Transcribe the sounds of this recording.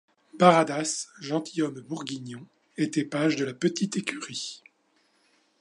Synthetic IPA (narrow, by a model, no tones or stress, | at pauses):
baʁad̪asʒɑ̃t̪ʰijɔmbuʁɡʲiɲɔ̃ | et̪ɛpaʒd̪əlapət̪it̪ekʲyʁi